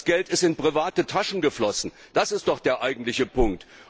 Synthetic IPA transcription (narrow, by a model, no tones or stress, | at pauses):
sɡ̥ɛltɪstɪnpʁ̥ivaːtətʰaʃn̩ɡəflɔsn̩ | d̥asɪstd̥ɔχd̥eːɐʔaɪɡŋ̩tlɪçəpʰʊŋk̚t